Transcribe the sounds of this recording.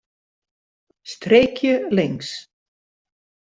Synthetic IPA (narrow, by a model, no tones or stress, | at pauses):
st̪ɾejkjəlɪŋs